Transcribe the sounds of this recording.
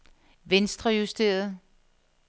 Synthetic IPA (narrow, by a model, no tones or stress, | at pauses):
ʋensd̥ʁɐjusd̥e̝̰ːɐð̩ˠ